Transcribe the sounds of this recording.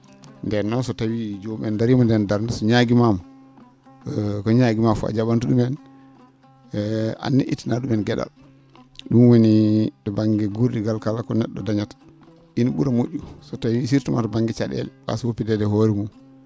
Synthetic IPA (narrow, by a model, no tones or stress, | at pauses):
ndɛnːɔnsɔtawid͡ʒomɛndaɾimɔndɛndaɾndasɔɲaɡimamɔ | kɔɲaɡimafua̰d͡ʒaɓantuɗumɛn | a̰nːiʔḭtːinaɗumɛnɡɛɗa̰l | ɗumwonitɔbaŋɡɛɡuɾdiɡalkalakɔnɛɗːɔ̰daɲat | inɔɓuɾamoʔːusɔtawisiɾtuma̰tɔbaŋɡɛt͡ʃaɗɛ̰lɛɓa̰suwopːidɛdɛhoɾimum